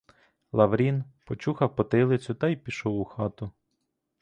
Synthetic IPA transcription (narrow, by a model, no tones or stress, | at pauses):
lˠɐʋɾʲinpɔt͡ʃuxɐwpɔt̪ɪlˠɪt͡sʲʊt̪ɐjpʲiʃɔwʊxɑt̪ʊ